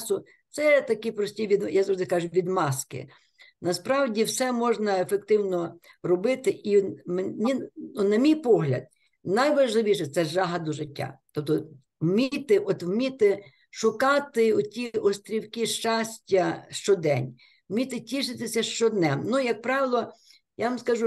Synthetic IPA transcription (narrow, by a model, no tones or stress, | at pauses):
sʊ | t̪sɛt̪ɐkipɾɔsʲtʲiʋʲid̪jazɔd̪ɪkɑʒʊʋʲid̪mɑskɪ̰ | nɐspɾɑwdʲiwsɛmɔʒnɐefekt̪ɪwnɔrɔbɪt̪ɪʔimnʲinunɐmʲijpɔɦlʲɐ̰d̪̚ | nɐjʋɐʒlˠɪʋʲiʃɛt̪sɛʒɑɦɐd̪ʊʒɪtʲːa̰t̪ɔp̚t̪ɔ | wmʲit̪ɪɔt̪wmʲit̪ɪ | ʃʊkɑt̪ɪʊtʲiɔst̪ʲɾʲiwkiʃt͡ʃɑsʲtʲːɐʃt͡ʃɔd̪ɛ̰nʲ | wmʲit̪ɪtʲiʃɪt̪ɪsʲɐʃt͡ʃɔd̪nɛmnujɐk̚pɾɑʋɪlˠɔ | jaʋɐmskɐʒu